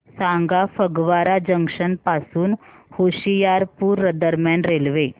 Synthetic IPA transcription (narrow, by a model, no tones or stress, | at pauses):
sãŋɡafəɡʋaɾad͡ʑəŋkʂənpasuːnhoɕijaɾpuːɾːəd̪əɾmjanɾelʋe